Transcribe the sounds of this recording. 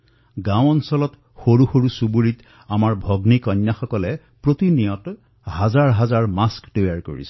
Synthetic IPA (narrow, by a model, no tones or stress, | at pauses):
ɡãw̃ɔnsɔlɔt | xoɹuxoɹusubuɹit | amaɹbʱɔɡnikɔɲːaxɔkɔlɛ | pɹotinijɔt | hazaɹɦazaɹmasktojaɹko̰ɹḭsɛ̥